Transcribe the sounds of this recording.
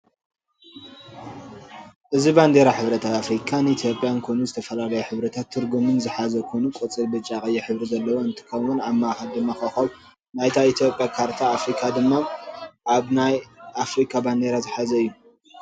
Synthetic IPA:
ʔɨziband̪eɾaħɨβɾɐt̪ʰat̪afɾikʰanɨit̪ʰjo̞pʼijankʰojnuzɨt̪ʰɐfɐlalɐjuħɨβɾɐt̪ʰat̪ʰːɨɾɡumɨnzɨħazɐkʰonukʼot͡sʼɨlbɨt͡ʃʼːakʼɐjːɛħɨβɾizɐlːɐwoɨnt̪ʰi̥kʰɐmwʊnamːaaxɐld̪ɨmːaxaxɐw | najt̪ʰait̪ʰjopʼjakʰaɾt̪ʰaːfɾikʰad̪ɨmːaʔaβnajafɾikʰaband̪eɾazɨħazɐɨjːu

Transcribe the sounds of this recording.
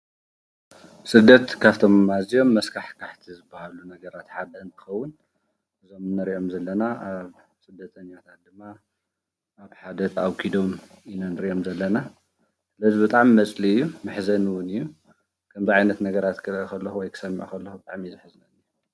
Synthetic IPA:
sɨd̪ːɐt̪kʰaft̪ʰo̞mːazijo̞mːɐskʰaħkʰaħt̪ʰizɨbːahalunɐɡɐɾat̪ħad̪ɐɨnt̪ʰɨ̥xɐwːʊn | ʔɨzo̞mnɐɾiʔo̞mzɐlːɐnaaβ | sɨd̪ːɐt̪ʰɐɲːat̪ʰat̪̚d̪ɨmːa | ʔaβħad̪ɐt̪ʰawkʰid̪o̞minanɨɾiʔo̞mzɐlːɐna | sɨlɐzibɨt̪ʼaʕmimɐt͡sʼliɨjːumɨħzɐnwʊnɨjːu | kʰɐmziʕajnɐt̪nɐɡɐɾat̪kʰɨlɐʔkɐlːɐxuwɔjkʰɨ̥sɐmːiʕṵkʰɐlːɐxubɨt̪ʼaʕmizɨħɨznɐnɨjːu

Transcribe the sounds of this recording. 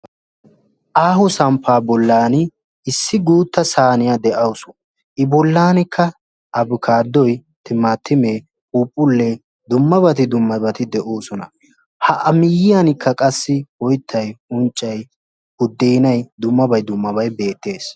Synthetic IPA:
ʔaːhʊsɐmpʰːaːbɔlːaːnɪ | ɪsːɪɡuːt̪ːɐsaːnɪjad̪ɛʔɐwʊsʊ̥ | ʔɪbɔlːaːnɪkːɐ | ʔɐbʊkʰaːd̪ːɔj | t̪ʰɪmaːt̪ːɪmeː | uːpʼːʊlːe | d̪ʊmːɐbɐt̪ɪd̪ʊmːɐbɐt̪ɪd̪ɛʔoːsɔnɐ | hɐʔɐmɪjɪjanɪkʰːɐkʼɐsːɪwɔjt̪ʰːɐjʊnt͡ʃʼːɐj | hʊd̪ːeːnɐjd̪ʊmːɐbɐjd̪ʊmːɐbɐjbe̞ːt̪ːe̞ːs

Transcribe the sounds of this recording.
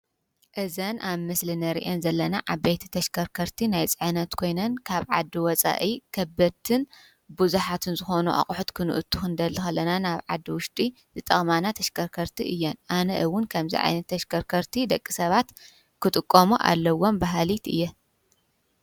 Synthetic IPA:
ʔɨzɐnʔaβmɨslɨnɐɾḭʔenzɐlːɐnaʔaβejt̪ʰi̥t̪ʰɐʃkʰɐɾkʰɐɾt̪ʰinajt͡sʼɨʕɨnɐt̪kʰo̞jnɐnkʰaβʕa̰d̪ːiwɔt͡sʼa̰ʔikʰɐbɐt̪ʰɨn | buzuħat̪ʰɨnzɨxo̞nuʔa̰χʼʊħut̪kʰɨnɨ̰ʔɨt̪ʰu̥xɨnd̪ɐlːɨxɐlːɐnanaβʕa̰d̪ːiwʊʃd̪ʼi | zɨt̪ʼɐxʼmanat̪ʰɐʃkʰɐɾkʰɐɾt̪ʰiʔɨjːɛnʔanɐʔɨwːʊnkʰɐmzḭʕa̰jnɐt̪ʰːɐʃkʰɐɾkʰɐɾt̪ʰid̪ɐkʼːisɐβat̪ | kʰɨt̪ʼɨkʼːomuʔa̰lːɐwo̞mbaɦalit̪ɨ̰jːɛ

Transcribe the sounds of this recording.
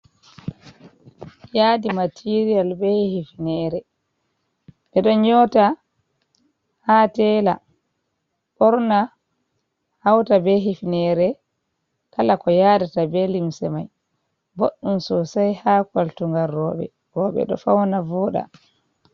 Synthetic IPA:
jaːdimatʰiɾialbɛhifnɛːɾɛ | ɓɛɗɔɲɔta | hatɛːla̰ | ɓɔɾna | hawtabɛɦifnɛɾɛ | kalakɔjaːdatabɛlimsɛ̰ma̰j | boɗːumsɔsajhaːkwaltuŋɡarːɔːɓɛ̰ | bɔːɓɛ̰ɗɔ̰fawnavɔːɗa̰

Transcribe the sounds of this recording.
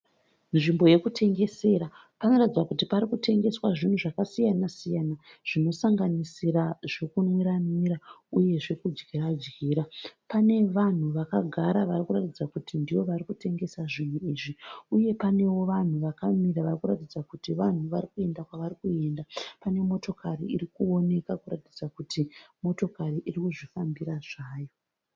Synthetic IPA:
nʐimbo̞je̞kutʰe̞ŋɡe̞se̞ːɾa | panoratid͡zwakutipaɾikutʰe̞ŋɡe̞swaʐin̤uʐakasijanasijana | ʐ̥ino̞saŋɡanisiɾaʐekunwiɾamirauje̞ʐe̞kud͡ʒɡiɾad͡ʒɡiːɾapane̞ʋan̤uʋakaɡʱaɾaʋarikuratid͡zakutindiwo̞ʋarikute̞ŋɡe̞saʐin̤uiːʐiuje̞pane̞wo̞ʋan̤uʋakamiɾaʋarikuratid͡zakutiʋan̤uʋarikue̞ndakwaʋaɾikue̞ndapane̞mo̞to̞karḭḭrikuo̞ne̞kakuratid͡zakutʰimo̞to̞kariʔirikuʐifambiɾaʐaːjo̞

